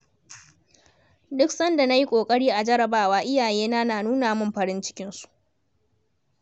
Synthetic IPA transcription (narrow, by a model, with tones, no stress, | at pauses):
dʊ˦ksɐ˦nda˨na˦ji˦kʷʼoː˨kʼɐ˦ɽiː˦ʔa˨d͡ʒɐ˦ɾɐ˨baː˦waː˦ʔɪ˦jaː˨jeː˦naː˦naː˨nuː˦naː˨mʊ˦mɸɐ˨ɽɪ˦nt͡ʃɪ̥˦kʲɪ˦nsu̥˦ʔ